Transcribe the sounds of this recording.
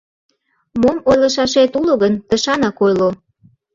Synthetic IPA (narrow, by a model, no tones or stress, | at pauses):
momojlɤ̆ʃɑʃet̪uloɣənt̪ə̆ʃɑnɑkojlo